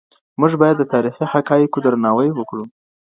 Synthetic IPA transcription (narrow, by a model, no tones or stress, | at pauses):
muʒbɑjad̪ːət̪ɑɾixihakɑjikod̪əɾnɑwəjwəkɽu